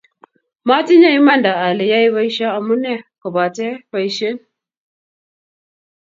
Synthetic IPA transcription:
ma˦ti˦ɲa˦i˦ma˦nda˨a˨li˨ja˦i˦βa˦i˦ʃa˦a˨mu˦ne˦ka˨ba˨te˦ba˨i˦ʃe˦n

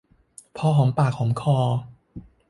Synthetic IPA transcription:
pʰɔː˧ɦɔː˩˦mpaː˨˩k̚hɔː˨˩˦mkʰɔː˧˩

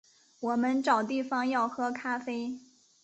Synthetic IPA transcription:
wɔ˨˩mə˧˦nʈ͡ʂɑ˨˩ʊt̪i˥˩fɑ˧ŋjɑ˥˩ʊxɤ˥kʰa˥fe˥ɪ

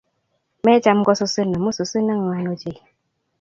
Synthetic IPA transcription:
mɛ˦t͡ʃa˦m˦ɡɔ˦su˨sɨ˦nə˨mu˦su˨sɨ˦nə˦ŋ˨a˨˦no˦d͡ʒe˦˨

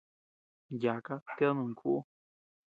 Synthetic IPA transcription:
ja˨ka˦t̪e˦nũ˨ŋkʰu˦ʔu˦

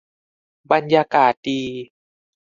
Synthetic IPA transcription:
ba˧njaː˧kaː˨˩t̪̚diː˧

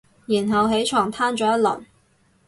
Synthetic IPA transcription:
ji˨˩nɦɐ˨wɦe˨˥jt͡ʃʰɔː˨˩ŋt̪ʰaː˥nt͡ʃɔː˨˥jɐ˥t̚lɐ˨˩n

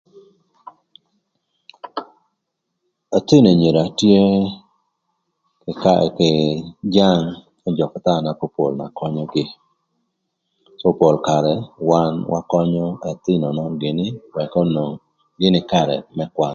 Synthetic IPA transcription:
a˨t̪ɪ˦no˨ɲe˨ɾa˨tje˦ | kɪ˨d͡ʒa˦ŋ | ɔ˦d͡ʒɔ˨kɔ˨t̪a˦˨na˨ko˦po̰˨lma̰˨kɔ˦ɲɔ˦ɡɪ˨ | sɔ˦po˨lka˨ɾɛ˨wa˦nwʔa˦kɔ˦ɲɔ˦ɛ˨t̪ɪ˦nɔ˨nɔ˦ɡɪ˨nɪ˦wɛ˨kɔ˦no˨ŋ | ɡɪ˦nɪ˦ka˦˨ɾɛ̰˨mɛ˦kwa˦

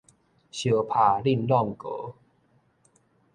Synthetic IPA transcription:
ɕjo˨˩pʰa˨˩li˥˧nlɔ˥˧˨ŋko˨˦

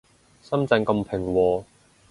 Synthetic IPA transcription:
sɐ˥mt͡sɛ˧ŋkɐ˧mpʰɪ˨˩ŋwɔː˧

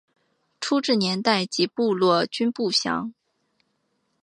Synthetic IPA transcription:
ʈ͡ʂʰu˥ʈ͡ʂɻ̩˥˩njɛ˧˥nt̪a˥˩ɪt͡ɕi˧˥pu˥˧lwɔ˥˩t͡ɕy˥npu˥˩ɕjɑ̰˧˥ŋ

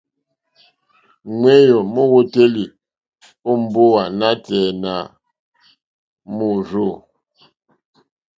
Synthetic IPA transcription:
ŋwe˦jo˨mo˦wo˦te˦li˨ | o˦m̩˦˨bo˦wa˨na˦tɛ˨na˨ | mu˦ɾo˦˨

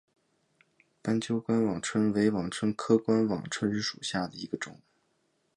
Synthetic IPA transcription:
pa˥nt͡ɕjo˥ʊkwa˥nwɑ˨˩ŋʈ͡ʂʰwə˥nwe˧˥ɪwɑ˨˩ŋʈ͡ʂʰwə˥nkʰɤ˥kwa˥nwɑ̰˨˩ŋʈ͡ʂʰwə˥n̩˥ʂu˨˩ɕja˥˩d̪ə˩i˧˥ɡə˧ʈ͡ʂʊ˨˩˦ŋ

